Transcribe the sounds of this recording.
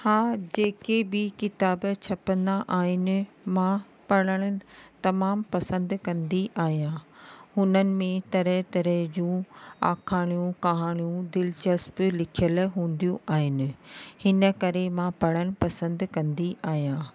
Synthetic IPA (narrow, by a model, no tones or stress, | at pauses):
haːd͡ʑeːkebɪkɪt̪aːbt͡ɕʰɐpə̃nd̪aʔaːɦɪnɪ̆ | mã | pɐɽ̃əɽ̃ʊ̆t̪ɐmaːmpɐsə̃nd̪kɐ̃nd̪iʔaːɦijãːhʊnənɪ̆mẽt̪ɐɾəɦt̪ɐɾəɦd͡ʑũːa̰ːkʰaːɽ̃ijũkaɦaːɽ̃ijũd̪ɪlt͡ɕəsplɪkʰijəlɦũːn̆d̪ijũʔaːɦɪnɪ̆hɪnə̆kɐɾemãpɐɽ̃əɽ̃pɐsə̃nd̪kɐ̃nd̪iʔaːɦijãː